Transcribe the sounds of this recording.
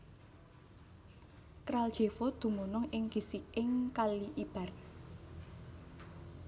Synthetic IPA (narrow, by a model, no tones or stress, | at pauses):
kɾald̥ʒ̥e̤fod̪̥ṳmonɔŋɪŋɡ̥isikɪŋkaliʔib̥a̤r